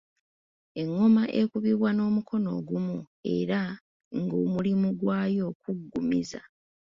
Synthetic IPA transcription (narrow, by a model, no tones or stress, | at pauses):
e̞ŋːomaʔe̞kuβiβwano̞ːmukʰo̞no̞̰ːɡumu | e̞̰ɾa | ŋɡoːmulimuɡwaːjo̞ːkuɡːumḭza̰